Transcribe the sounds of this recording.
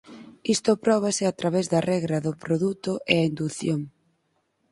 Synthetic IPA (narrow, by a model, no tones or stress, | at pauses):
ist̪ʊpɾɔβ̞asɪat̪ɾaβɛzðɐrɛɣɾɐðʊpɾoðut̪ʊʔeaind̪uθjoŋ